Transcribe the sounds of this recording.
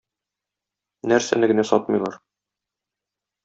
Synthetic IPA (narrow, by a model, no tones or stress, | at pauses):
næɾsæ̰nɘɡɘ̆næsɒt̪̚mɤ̆jlˠɑɾ